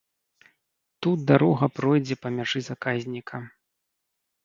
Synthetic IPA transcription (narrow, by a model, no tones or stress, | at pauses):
t̪ut̪̚d̪aɾɔɣɐpɾɔjd͡zʲɛpɐmʲaʐɨzakazʲnʲikʰɐ